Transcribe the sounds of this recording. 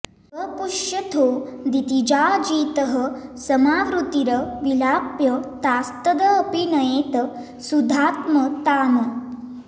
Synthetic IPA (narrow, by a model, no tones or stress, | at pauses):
əpuʃjɐt̪ʰoːd̪it̪id͡ʒaːd͡ʒiːt̪əɦəsɐmaːʋɾut̪iɾɐʋilaːpjɐt̪aːst̪ɐd̪ɐːpinɐjeːt̪ɐ | sud̪ʱaːt̪mət̪aːnɐ